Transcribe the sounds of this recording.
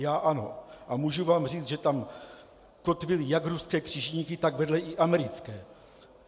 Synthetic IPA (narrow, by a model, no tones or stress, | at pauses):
jaːʔano̰ʔamuːʒuvaːmr̝iːt͡sʒɛt̪am | kot̪vɪlɪjakɾuskɛːkr̝̥iːʒɲiːkɪt̪aɡvɛdlɛʔɪʔamɛɾɪt͡skɛː